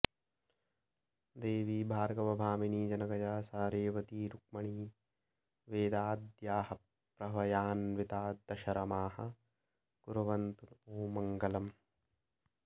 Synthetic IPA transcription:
d̪eːʋiːbʱaːɾɡɐʋɐbʱaːminiːd͡ʒɐnɐɡɐd͡ʒaːsaːɾeːʋɐt̪iːɾuk̚mɐɳiː | ʋeːd̪aːd̪jaːhɐ | pɾɐʋɐjaːnʋit̪aːd̪ɐʃɐɾɐmaːhɐ | ɡ̥uɾɐʋɐnt̪unoːmɐŋɡɐlɐm

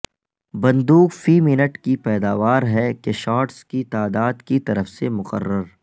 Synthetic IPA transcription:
bɐ̃nd̪uːkfiːmɪnəʈkipɛːd̪aːʋaːɾɦɛkeʃaːɾʈskit̪aːd̪aːd̪kit̪ɐɾəfsemʊqə̰rːəɾ

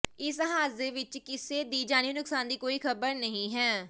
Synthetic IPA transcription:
ɪsɦaːzeːʋɪt͡ʃkɪseːd̪iːd͡ʒaːñinʊksaːnd̪iːkoːiːkʰəbəɾnəɦĩːɦɛː

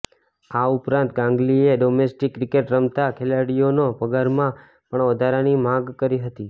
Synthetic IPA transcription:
aupɾãnt̪̚ɡãŋɡlieɖomesʈikːɾɪkeʈɾəmt̪akʰelaɽijonopəɡaɾmã | pəɳʋəd̪ʱaɾanimãɡkəɾiɦət̪i

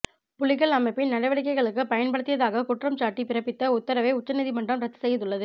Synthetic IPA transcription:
pʊlɪɣɐɭɐmɐɪpːɪnnɐɽɐɪʋɐɽɪk̬ːɐɪɣɐɭɯkːɯpɐjɐnpɐɽɯt̪ːɪjɐðaːɣɐkʊʈrɐmt͡ʃaːʈːipɪɾɐpːɪt̪ːɐʊt̪ːɐɾɐʋɐɪʊt͡ʃːɐnɐðimɐɳɖrɐmɾɐt̪ːɯ̥sɛjːɐðɯɭːɐðɯ

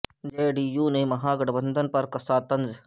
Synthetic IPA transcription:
d͡ʒeːɖiːjuːnemɐɦaːɡɐɽbɐ̃nd̪ənpɐɾkɐsaːt̪ɐnz

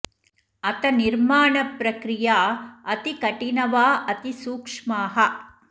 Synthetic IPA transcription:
ɐt̪ɐniɾmaːɳɐpɾɐkɾijaːɐt̪ikɐʈinɐʋaːʔɐt̪isuːkʂmaːɦɐ

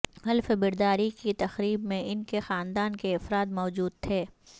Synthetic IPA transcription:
ɦɐlfbɪɾd̪aːɾikit̪ɐxɾiːbmẽʔɪnkexaːnd̪aːnkeɐfɾaːt̪mɔːd͡ʒuːd̪̚t̪ʰeː

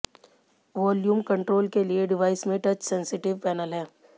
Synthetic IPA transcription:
ʋɔːljuːmkə̃ɳʈɾoːlkelieɖɪʋaːɪsmẽʈɐt͡ʃsɛ̃nsɪʈɪʋpɛːnəlɦɛː

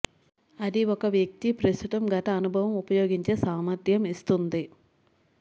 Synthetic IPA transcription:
ɐd̪iɔkɐʋjɐk̚t̪ipɾɐst̪ut̪ɐmɡɐʈɐːnubʱɐʋɐmupɐjoːɡiɲt͡ʃe̞ːsaːmɐɾd̪ʱjɐmist̪und̪i

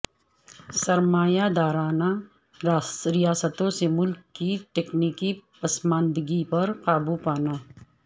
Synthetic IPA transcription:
sɐɾmaːjad̪aːɾaːna | ɾijaːsət̪õsemʊlkːiʈeːkniːkipɐsmãːnd̪ɡipɐɾqaːbupaːnaː

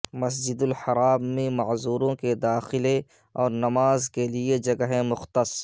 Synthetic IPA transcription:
mɐsd͡ʒɪd̪ʊlħɐɾaːmːẽmɐʕzuːɾõked̪aːxɪle | ɔːɾnɐmaːzkelied͡ʒɐɡəɦẽmʊxt̪əs

